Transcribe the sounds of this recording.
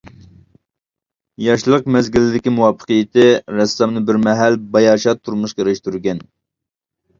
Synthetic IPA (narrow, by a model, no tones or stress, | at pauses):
jɑʃlˠəq̚mɛzɡʲilɪd̪ɪkʲimuwɑpʰːə̥qəjɪt̪ʰɪɾɛsːɑmnɨbɪɾmɛɦælbɑjɑːʃɑt̪ʰːuɾmuʃqɑɾɨʃt̪uɾɡʲɛn